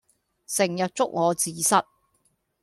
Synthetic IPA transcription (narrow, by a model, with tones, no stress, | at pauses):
sɪ˨˩ŋjɐ˨t̚t͡sʊ˥k̚ŋɔː˨˧t͡siː˨˧sɐ˥t̚